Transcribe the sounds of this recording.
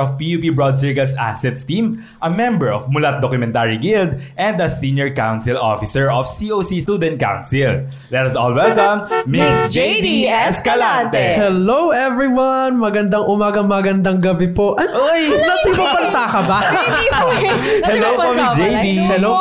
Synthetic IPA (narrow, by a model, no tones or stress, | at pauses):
ɔfpiupibɹɔd̪̚s̬ɛɹɡɐlsa̰sɛt̪st̪ĩm | ʔɐmɛ̃mbɛɹɔfmʊlɐt̪̚d̪okjʊmɛ̃nt̪aːɹiɡɪld̪ʔɛ̃nd̪ɐsĩnjɔɹkawnsɪlʔo̰fɪsɛɹʔɔfsiʔoːsist̪uːd̪ɛ̃nt̪̚ka̰wnsɪl | lɛt̪ɐsɔ̰ːlwɛlkɐ̃mːɪsd͡ʒejd̪iɛskɐlat̪ɛhɛlowʔɛvɹiwɐnmɐɡɐnd̪ɐŋʔʊmaːɡɐmɐɡɐnd̪ɐŋɡɐbɛpoʔɐnojnɐsikɐpɐnsakɐba | hɛlowpomɪsd͡ʒejd̪ihɛlo